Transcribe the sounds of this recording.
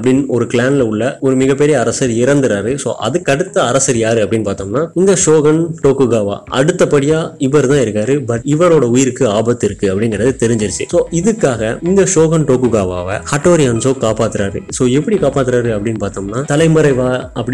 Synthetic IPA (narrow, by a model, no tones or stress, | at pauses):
ɐpːɐɽɪnɔɾɯklaːnlɐʊɭːɐɔɾɯmɪɣɐp̬ːɛɾɪjɐːɾɐsɐɾɪɾɐnd̪ɯɾaːɾɯso̰ːʔɐ̰ðɯkːɐɽɯt̪ːɐːɾɐsɐɾjaːɾɯɐpːɐɽɪnːpaːɾt̪omnaːɪnd̪ɐʂoːɣɐnʈoːkːɯɡaːʋa̰ːʔɐ̰ɽɯt̪ːɐpːɐɽɪjaːɪʋɐɾt̪ãːɪɾɯkːaːɾɯbɐʈɪʋɐɾoːɽɐʊjɪɾɯkːɯaːbɐt̪ːɪɾɯkːɯɐpːɐɽɪŋɡɪɾɐðɯt̪ɛɾɪɲd͡ʒɪɾɯt͡ʃːɯ̰soːɪðɯkːaːɣɐɪnd̪ɐʂoːɣɐnʈoːkːɯɡaːʋa̰ːʋɐ̰haːʈːoːɾɪjaːnsoːkaːpaːt̪ːɯɾaːɾɯ̰soːɛpːɐɽikaːpaːt̪ːɯɾaːɾɯɐpːɐɽɪnːpaːɾt̪oːmnaːt̪ɐlɐɪmɯɾɐɪʋaːɐpːɐɽɪ